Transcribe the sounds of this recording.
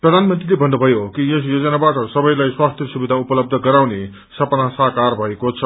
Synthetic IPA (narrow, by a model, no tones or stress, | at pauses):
prʌd̪ʱanmʌnt̪rilebʱʌnːubʱʌjokijʌsjod͡zʌnabaʈʌsʌbʌjlajswast̪ʰjʌsubid̪ʱaupʌlʌb̚d̪ʱʌɡʌɾawne | sʌpnasaɦkarbʱʌekot͡sʰʌ